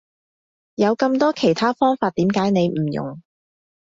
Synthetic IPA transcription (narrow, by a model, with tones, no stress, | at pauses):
jɐ˨˧wkɐ˧mt̪ɔː˥kʰe˨˩jt̪ʰaː˥fɔː˥ŋfaː˧t̚t̪iː˨˥mkaː˨˥jne˨˧jm̩˨˩jʊ̰˨˩ŋ